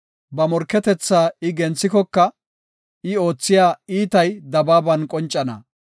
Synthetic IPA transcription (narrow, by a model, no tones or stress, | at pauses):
bɐmɔɾkːɛt̪ɛt͡sːaːɪɡɛnt͡sːɪkɔkːɐ | ɪo̞ːt͡sːɪjaːiːt̪ɐjd̪ɐbaːbɐnkʼɔnt͡ʃʼːɐnɐ̰